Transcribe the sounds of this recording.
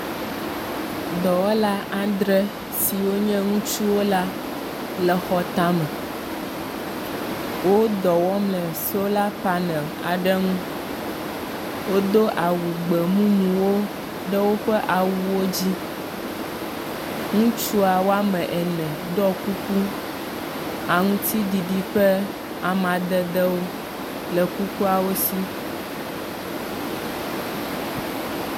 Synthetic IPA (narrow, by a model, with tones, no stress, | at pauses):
d̪ɔ˨wɔ˦la˦ʔã˦d̪ɾɛ˦ | si˨wo˦ɲɛ̃˦ŋũ˦t͡ʃu˦wo˦la˦ | lɛ˨xɔ˨t̪a˦mɛ̃˨ | wo˦d̪ɔ˨wɔ˦mlɛ̃˨so˦la˦pa˦nɛ˨l | a̰˨ɖɛ˦ŋũ˦ | wo˦d̪o˦ʔa˨wu˨ɡ͡bɛ˨mũ˦mũ˨wo˦ | ɖɛ˦wo˦ɸɛ˦ʔa˨wu˦wo˦d͡ʑi˦ | ŋũ˦t͡ʃu˦a˨wo˦a˦mɛ̃˨ʔɛ˨nɛ̃˨d̪ɔ˦ku˦ku˦ | a˨ŋũ˦t̪i˦ɖi˨ɖi˦ɸɛ˦ | a˨mã˨d̪ɛ˦d̪ɛ˦wo˦ | lɛ˨ku˦ku˦a˨wo˦si˦